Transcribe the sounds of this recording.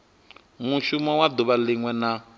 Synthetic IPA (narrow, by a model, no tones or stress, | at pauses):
muʃumɔwad̪uβaliŋwɛna